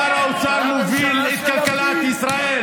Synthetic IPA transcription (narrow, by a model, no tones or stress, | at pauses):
aɾawt͡ʃaɾnuvilit̪̚kɐlkɐlat̪isɾae